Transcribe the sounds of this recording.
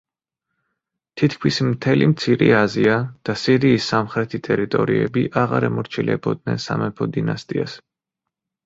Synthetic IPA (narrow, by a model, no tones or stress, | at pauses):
t̪ʰit̪ʰkʰmismt̪ʰɛlimt̪sʰiɾiaziad̪̥asiɾiːsːamχɾɛt̪ʰit̪ʼɛɾit̪ʼɔɾiɛbiʔaʁa̰ɾɛmɔɾt͡ʃʰilɛbɔd̪̚nɛnsamɛpʰɔd̪inast̪ʼias